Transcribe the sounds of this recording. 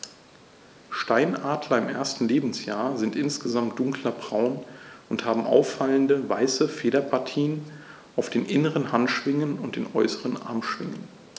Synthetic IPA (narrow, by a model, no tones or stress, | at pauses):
ʃtaɪnʔaːdlɐɪmʔḛɐstn̩leːbm̩sjaːɐzɪntʔɪnsɡ̥əzamt̚d̥ʊŋklɐbʁaʊnʔʊnthaːbm̩ʔa̰ʊfːaləndəvaɪsəfeːɾɐpʰaɐtʰiːən | ʔaʊfd̥eːnʔɪnəʁənhantʃv̥ɪŋənʊnt̚d̥eːnʔɔʏsəʁənʔa̰ɐmʃv̥ɪŋən